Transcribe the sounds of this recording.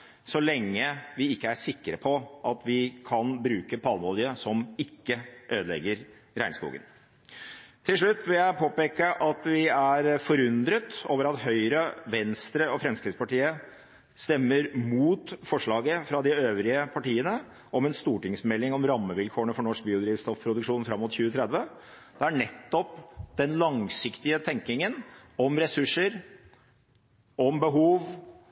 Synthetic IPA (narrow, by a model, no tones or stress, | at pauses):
sɔlɛŋːəʋɪɪkːəæʂɪkːɾəpʰɔʔɑt̪ʋɪkʰɑnbɾʉːkəp̪ʰɑːnʋɔljəsɔmɪkːəʔøːd̪lɛ̰ɡːəɾ | ɾæɪnskṵːɡə̰n | t̪ʰɪlʂɭʉt̪ːʋɪljæɪpʰoːpeːkːəʔɑt̪ʋɪæɾfɔɾʉnd̪ɾət̪oːʋəɾɑt̪ɦœʏɾəʋɛnst̪ɾəɔfɾɛmskɾɪɡ̪spɑʈiːə | st̪ɛmːəɾmuːt̪fɔʂɭɑːɡəfɾɑd̪ɪøːʋɾɪəpʰɑʈiːənə | ɔmɛnst̪uːʈɪŋsmɛlːɪŋɔmɾɑmːəʋɪlkʰoːəɳəfɔɳɔʂk̚biːʊd̪ɾiːʋst̪ɔfpʰɾʊd̪ʉkʂuːnfɾɑmːʊt̪çʉːət̪ʰɾɛd̪ʋə | d̪̥ɛæɳɛt̪ːɔpd̪̥ɛnlɑŋsɪkt̪ɪət̪ʰɛŋk̪ɪŋənɔmɾɛsʉʂːəɾ | ɔmbəɦuːʋ